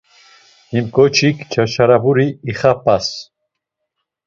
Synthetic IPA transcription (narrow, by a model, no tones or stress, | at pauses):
imkʼɔt͡ʃʰikʰt͡ʃʰaʃaɾabuɾiːχapʼas